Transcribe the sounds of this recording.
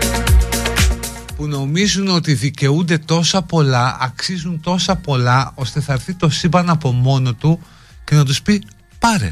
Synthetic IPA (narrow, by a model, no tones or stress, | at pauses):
puno̞mizuno̞t̪iðice̞und̪e̞t̪o̞sɐpo̞lɐɐksizunt̪o̞sɐpo̞lɐo̞st̪e̞θɐɾθit̪o̞sibɐnɐpo̞mo̞no̞t̪u | ce̞nɐt̪̬uspi | pɐɾḛ